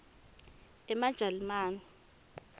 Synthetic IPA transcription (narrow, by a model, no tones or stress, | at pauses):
ɛmad̥ʒ̥ʱalimaːnɔ